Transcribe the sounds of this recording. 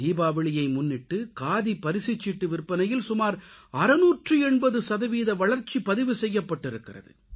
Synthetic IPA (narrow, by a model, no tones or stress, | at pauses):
iːbaːʋɪɭɪjɐɪmʊnːɪʈːɯkaːðipɐɾɪsɪt͡ʃːɪʈːɯʋɪɾpːɐnɐjɪlsʊmaːɾɐɾɐnuːʈrɯɛɳbɐðɯsɐðɐʋiːðɐʋɐɭɐɾt͡ʃːipɐðɪʋɯsɛjːɐpːɐʈːɪɾɯkːɪrɐ̰ðɯ̰